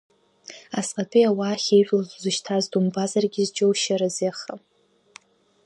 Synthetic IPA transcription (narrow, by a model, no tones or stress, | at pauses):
asʼqʼatʰʼijawaːχʲejħʷᶣʼlazʷzɨʃtʰazdumbazarɡʲɪzd͡ʒʼowʃaɾazeχa